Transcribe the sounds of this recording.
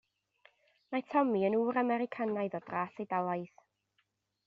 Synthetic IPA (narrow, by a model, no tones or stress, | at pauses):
matʰɔmiənuːɾamɛɾɪkʰanajðɔdrasejdalˠaɨθ